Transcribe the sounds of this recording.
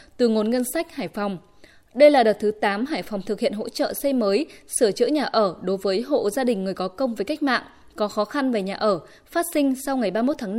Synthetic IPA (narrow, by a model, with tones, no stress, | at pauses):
t̪ɨ˨˩ŋo˨˩nŋə˧nsa˦˥jk̟̚haː˧˩jfa˨˩wŋ͡m | ɗə˧jlaː˨˩ɗə˨˩t̚t̪ʰɨ˨˦t̪aː˨˦mɦaː˧˩jfa˨˩wŋ͡mt̪ʰɨ˨˩k̚hḭ˧˨ənɦo̰˧˥t͡ɕə̰ː˧˨sə˧jməː˨˦jsɨ˧˩ət͡ɕɨ̰˧˥ɲaː˨˩ʔəː˧˩ɗo˨˦jvəː˨˦jɦo̰˧˨zaː˧ɗï˨˩ŋ̟ːɨ˨˩əjkɔ˨˦kə˧wŋ͡mvəː˨˦jka˦˥jk̟̚ma̰ː˧˨ŋ | kɔ˨˦xɔ˨˦xa˧nve˨˩ɲaː˨˩ʔəː˧˩ | faː˦˥t̚sï˧ŋ̟sa˧wŋa˨˩jɓaː˧mo˦˥t̚t̪ʰaː˨˦n˧